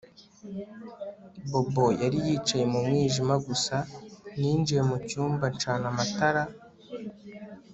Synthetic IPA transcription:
bo̞bo̞jaɾijiːt͡ʃaje̞mumŋiːʒimaɡusanind͡ʒijemucuːmbant͡ʃaːnamataɾa

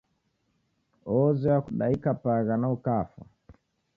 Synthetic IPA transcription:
ɔzɔjakuɗaikapaɣanaukafa̰

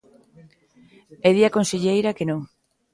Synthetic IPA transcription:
eðiakõnseʎejɾɐkenõŋ

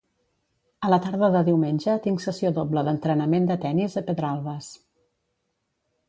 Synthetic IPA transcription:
ələt̪aɾðəðəðiwmenʲʒət̪iŋksəsioðobləðənt̪ɾənəmend̪ət̪ɛnizəpəðɾalˠβəs

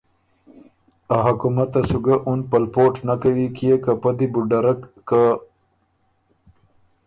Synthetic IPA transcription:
aɦakumat̪ːasuɡaʔunpalpoʈnakawikijekapad̪ibuɖaɾakːa

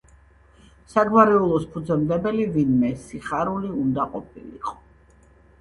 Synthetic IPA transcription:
saɡwaɾɛulˠɔspʰud̪zɛmd̪ɛbɛlivinmɛsiχaɾuliund̪aqʼɔpʰḭlḭqʼɔ̥

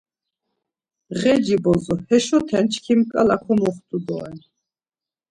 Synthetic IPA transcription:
ʁɛd͡ʒibɔzɔhɛʃɔt̪ʰɛnt͡ʃʰkʰimkʼalakʰɔmɔχt̪ʼud̪ɔɛ̰n

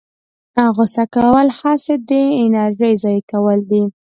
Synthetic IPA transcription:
aɣʊsakawəlhɑsed̪əɪnaɾʒəjzɑjkawəld̪i

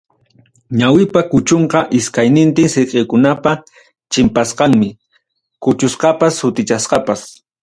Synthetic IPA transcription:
ɲawɪpakʊt͡ʃoɴqɑʔɪskajnɪnt̪ɪŋseqejkʊnapa | t͡ʃɪmpasqɑŋmɪ | kʊt͡ʃʊsqɑpashʊt̪ɪt͡ʃasqɑpas

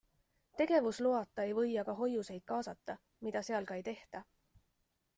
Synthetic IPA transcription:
t̪e̞ɡ̥e̞vusluɑt̪ˑːɑe̞jvɤ̞jːɑɡ̥ɑɦo̞juse̞jd̪̥̚kɑːsɑt̪ːɑ | mid̪̥ɑse̞ɑlkɑe̞jt̪e̞ht̪ɑ

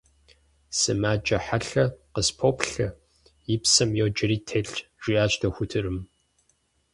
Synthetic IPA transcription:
sɨmaːd͡ʒʼɐħaɬɐqəspʰoːpɬɐ | jɪpsɐmjoːd͡ʒɪɾiːtʰeːɬʒ̥ʷiaːt͡ʃdɐxʷʊtʰɨrɨm

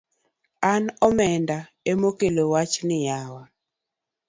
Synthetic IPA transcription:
anɔmɛnda | emokelowat͡ʃnɪjawa

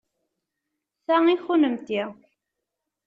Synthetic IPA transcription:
θæŋixunəmt̪i

